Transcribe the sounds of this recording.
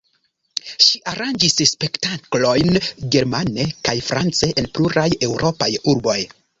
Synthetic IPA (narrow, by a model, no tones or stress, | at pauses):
ʃiaɾand͡ʒisspe̞ktaklo̞jnɡe̞ɾmane̞kajfɾa̰nt͡se̞ʔenpluɾaje̞wɾʔo̞pajuɾbo̞j